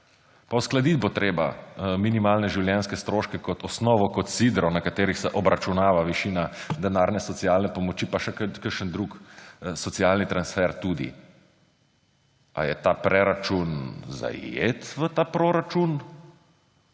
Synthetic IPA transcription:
pawsklad̪it̪̚bot̪ɾeːba̰minimaːlnɛʒiwljɛnskɛst̪ɾoːʃkɛkɔt̪ɔsnɔːʋɔkɔt̪sid̪ɾɔwnakat̪eːɾixsɛʔɔbɾʔat͡ʃunaːʋaʋiʃiːnad̪ɛnaːɾnɛsɔt̪sijaːlnɛpɔmɔt͡ʃipaʃɛkkəɾʃənd̪ɾuksɔt̪sijaːlnit̪ɾansfɛɾt̪ud̪ḭ | a̰jɛt̪apɾɛɾat͡ʃunza̰jḛːt̪ʋət̪aːpɾoɾat͡ʃun

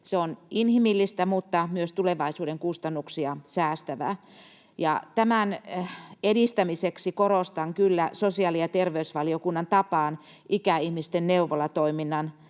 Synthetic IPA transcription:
seoninhimilːist̪æmut̪ːɑmyøst̪uleʋɑisuːɾeŋkust̪ɑnːuksiɑsæːst̪æʋæ̰ | jɑ̰t̪æmæn | eɾist̪æmiseksikoɾost̪ɑŋkylːæsosiɑlijɑt̪erʋeysʋɑliokunːɑnt̪ɑpɑːn | ʔikæihmist̪enneuʋolɑt̪oiminːɑn

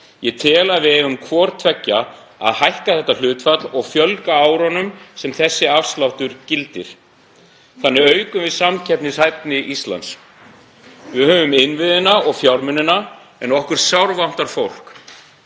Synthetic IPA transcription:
jɛt̪ʰɪːlaðvɪhɛvʏmkʰvɔːɾt̪ʰvɛcːa | a̰ðhajhkaθɛht̪al̥ʏːt̪fat̪lɔɣfjœlkaaːwɾanʏmsɛmθɛsːɪafst̪lawht̪ʏɾcɪlt̪ɪɾ̥ | θanːɪœːɥkʏmvɪðsamcʰɛpnɪsajpnɪʔist̪la̰ns | vɪhœːvʏmɪnvɪðɪnaɔɣfjawɾmʏnɪna | ɛnɔhkʏɾ̥sjawɾvam̥t̪aɾ̥fowl̥k

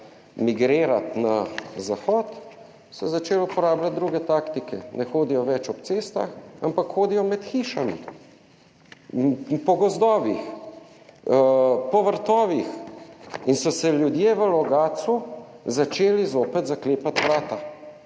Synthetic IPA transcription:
miɡɾeːɾat̪nazaxɔːt̪ | sɛzat͡ʃeːlupɔɾaːblat̪̚d̪ɾuːɡɛt̪akt̪ikɛnɛxoːd̪ijɔʋɛt͡ʃɔpt̪seːst̪a̰xampakxoːd̪ijɔmɛt̪xiʃamḭ | pɔɡɔzd̪ɔːʋix | pɔʋəɾt̪ɔːʋix | insɔsɛljud̪jeʋəlɔɡaːt̪su | zat͡ʃeːlizoːpɛt̪zakleːpat̪ʋɾaːt̪a

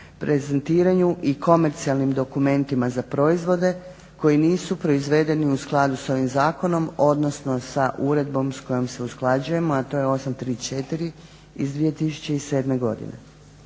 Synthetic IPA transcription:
pɾe̞zent̪iːɾaɲuʔiko̞me̞ɾt̪sialˠnimd̪o̞kume̞nt̪imazapɾo̞izʋo̞d̪e̞ | ko̞iniːsupɾo̞izʋe̞d̪e̞niusklˠad̪uso̞ʋimzaːko̞no̞mo̞d̪no̞sno̞saʔuɾe̞d̪bo̞msko̞jomse̞usklˠad͡ʒuje̞mo̞at̪o̞jeo̞samt̪ɾiːt͡ʃet̪iɾi | izd̪ʋiːe̞t̪isu̥t͡ɕe̞ise̞ːd̪me̞ɡo̞̰d̪ḭnḛ

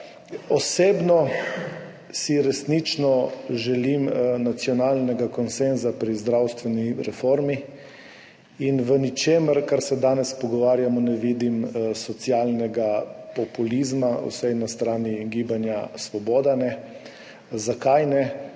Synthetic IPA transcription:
ɔseːbnɔ | siɾɛsnit͡ʃnɔʒɛlimnat̪sjɔnalnɛɡakɔnsenzapɾizd̪ɾawst̪ʋɛniɾɛfoɾmi | inʋənit͡ʃeːməɾkaɾsɛd̪aːnɛspɔɡɔʋaːɾjamɔnɛʋiːd̪imsɔt̪sjalnɛɡapɔpulizmaṵsɛjnast̪ɾaːniɡiːbanjasʋɔboːd̪anɛ | zakajnɛ

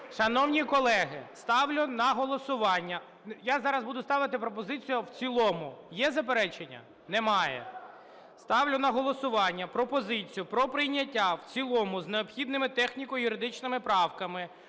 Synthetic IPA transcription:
ʃɐnɔwnʲikɔlˠɛɦɪst̪ɑwlʲʊnɐɦɔlˠɔsʊʋɑnʲːɐ | jazɑɾɐzbud̪ʊst̪ɑʋɪt̪ɪpɾɔp̬ɔzɪt͡sʲijʊwt͡sʲilˠɔmʊjɛzɐp̬eɾɛt͡ʃenʲːɐ̰ | nɛmɑjɛ̰ | st̪ɑwlʲʊnɐɦɔlˠɔsʊʋɑnʲːɐpɾɔpɔzɪt͡sʲijʊpɾɔpɾɪjnʲːɐtʲːawt͡sʲilˠɔmʊzneɔpxʲid̪nɪmɪt̪ɛxnʲikɔjjʊɾɪd̪ɪt͡ʃnɪmɪpɾɑwkɐmɪ

